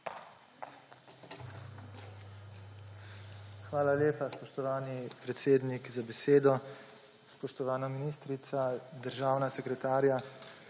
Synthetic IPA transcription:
xʋaːlaljeːpaspɔʃt̪ɔʋaːnipɾɛt̪seːd̪nikzabɛseːd̪ɔ | spɔʃt̪ɔʋaːnaminiːst̪ɾit̪sad̪əɾʒaːwnasɛkɾɛt̪aːɾja

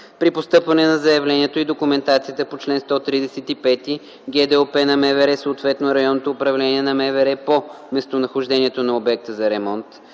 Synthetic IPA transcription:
pɾipost̪ɤpvɐnɛnɐzɐjɐvlɛniɛt̪oid̪okʊmɛnt̪at̪siət̪əpot͡ʃlɛnst̪ɔt̪ɾid̪ɛsɛt̪ipɛt̪i | ɡʲɛd̪ɛopɛnɐmɛvɛɾɛsoːt̪vɛt̪noɾɐjɔnːot̪oːpɾɐvlɛniɛnɐmɛvɛɾɛpo | mɛst̪onɐxoʒd̪ɛniɛt̪onɐobɛk̚t̪əzɐɾɛmɔnt̪

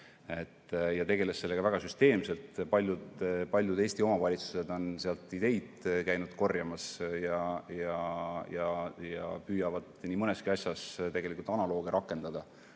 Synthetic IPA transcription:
e̞t̪ːjɑt̪e̞ɡe̞lesse̞lːe̞ɡ̥ɑvæɡ̥ɑsyst̪e̞ːmse̞lt̪ˑpɑlʲjud̪pɑlʲjud̪e̞ːsʲt̪io̞mɑvɑlʲit̪su̥se̞d̪o̞nseɑlt̪ːˑid̪̥e̞jd̪̥kæjnud̪̥ko̞rjɑmɑsjɑjɑjɑjɑ̰pyːjɑvɑd̪̥niːmɤne̞skiɑsʲjɑst̪e̞ɡe̞likult̪ɑnɑlo̞ːɡ̥eɾɑkːˑe̞nd̪̥ɑd̪̥ɑ

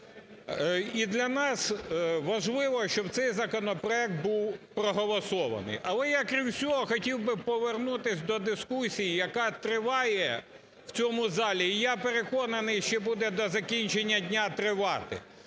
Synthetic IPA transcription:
id̪lʲɐnɑsʋɐʒlˠɪʋɔʃt͡ʃɔbt̪sɛjzɐkɔnɔpɾɔɛk̚t̪̚buwpɾɔɦɔlˠɔsɔʋɐ̰nɪ̰jʔɐlˠɛjakɾʲimsʲɔɦɔxɔtʲiwbɪpɔʋernut̪ɪsʲd̪ɔd̪ɪskusʲijijɐkɑt̪ɾɪʋɑjɛ | w̥t͡sʲɔmʊzɑlʲiːjapeɾekɔnɐnɪjʃt͡ʃɛbud̪ɛd̪ɔzɐkʲinʲt͡ʃenʲːɐdʲnʲat̪ɾɪʋɑt̪ɪ̰

